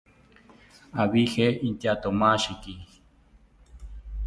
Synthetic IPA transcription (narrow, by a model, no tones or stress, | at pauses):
aβiheint̪at̪omaʃiki